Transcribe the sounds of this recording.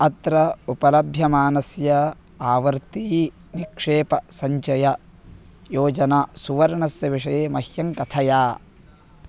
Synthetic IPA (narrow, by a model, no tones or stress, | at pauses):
ɐt̪ɾɐupɐlɐbʱjɐmaːnɐsjɐ | aːʋɐɾt̪i | nikʂeːpɐsɐɲt͡ʃɐjɐ | joːd͡ʒɐnasuʋɐɾɳɐsjɐʋiʂɐjeːmɐhjɐŋkɐt̪ʰɐjaː